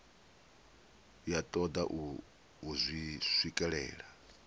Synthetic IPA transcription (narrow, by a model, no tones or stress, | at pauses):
jatʼɔd̪aʔ | uzʷisʷwikʼɛɺɛ̰ːɺa